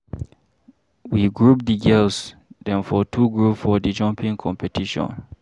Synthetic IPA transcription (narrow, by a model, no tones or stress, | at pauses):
wiɡɹup̚diɡɛlsdɛ̃nfɔtʰuɡɹupfɔdid͡ʒɔ̃mpĩŋkʰɔ̃mpɛtiʃɔ̰̃n